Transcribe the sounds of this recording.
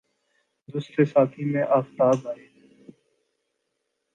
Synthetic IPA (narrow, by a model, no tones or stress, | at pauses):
d̪uːsɾeːsaːt̪ʰiːmẽːʔaːft̪aːbaːeː